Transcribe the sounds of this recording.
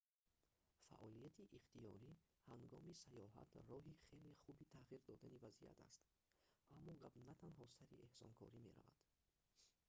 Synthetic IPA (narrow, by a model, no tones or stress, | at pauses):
fa̰ʔɔlijat̪ʰiʔiχt̪ijɔ̰ɾi | haŋɡɔmisajɔɦa̰t̪rɔɦiχe̞liχubit̪ʰaʁiɾd̪ɔd̪anivazḭja̰t̪ʰa̰st̪ | ʔamːɔɡabnat̪ʰanɦɔsaɾie̞hsɔ̰ŋkʰɔ̰ɾime̞ɾa̰va̰d̪̥